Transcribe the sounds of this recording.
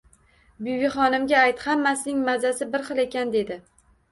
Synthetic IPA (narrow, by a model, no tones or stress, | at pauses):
bijvɪχɒnɪmɡʲaːjt̪hamːasɪnɪŋmazasɪbɪɾχɨlˠe̞kʲand̪e̞d̪ɪ